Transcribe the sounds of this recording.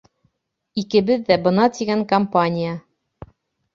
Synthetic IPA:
ikɘ̆bɘðːæbɤ̆nɑt̪iɡæŋkɐmpanʲija

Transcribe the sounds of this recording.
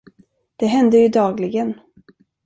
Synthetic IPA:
d̪̥ɛɦɛnd̪əjɵd̪ɑːɡlɪɡən

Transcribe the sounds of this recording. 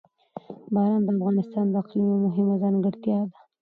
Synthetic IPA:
bɑɾɑnd̪əafɣɑnɪst̪ɑnd̪əaqlinamʊɦɪmazɑŋɡəɽt̪jɑd̪ḁ

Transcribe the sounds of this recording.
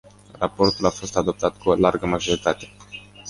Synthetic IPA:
rapo̞rt̪ulafo̞st̪ad̪o̞p̚t̪at̪kuolarɡəmaʒo̞ɾit̪at̪e̞

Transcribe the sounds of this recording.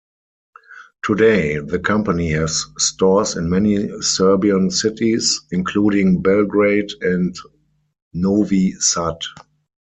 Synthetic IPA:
tʰudeɪðəkʰãmpənihɛzːtɔsɪ̰̃nmɛnisɜ˞biə̃nsɪtisɪ̃nkʰluːɾɪ̃ŋbɛlɡɹeɪdɛ̃nt | novisat

